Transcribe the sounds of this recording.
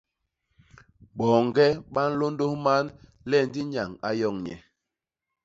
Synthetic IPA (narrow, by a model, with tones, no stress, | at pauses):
ɓɔ˨ŋɡɛ˦ɓa˦n̩˦lo˦ndo˦hma˦n | lɛ˦˨n˦di˦ɲa˨ŋa˦jɔ˦˨ŋɲɛ̰˨